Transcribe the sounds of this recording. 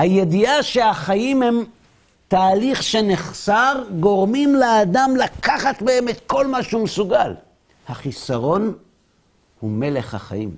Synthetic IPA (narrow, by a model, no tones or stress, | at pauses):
hajediaʃe̞aχajimhem | t̪aːliχʃeneχsaʁɡo̞ʁmimlead̪amlakaχat̪behemet̪ko̞lmaʃhumesuɡal | haχisaʁo̞n | hume̞le̞χha̰χa̰jḭm